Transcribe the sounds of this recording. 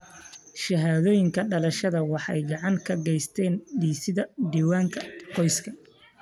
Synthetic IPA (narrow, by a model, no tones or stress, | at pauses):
ʃɐɦaːðɔːjɪŋkʰɐɖɐlɐʃɐðɐwɑħɑ̰jɡɑʕɑŋkʰɐɡɛjst̪ʰɛːnɖiːsɪðɐd̪iːwaːŋkʰɐqɔjskʰɐ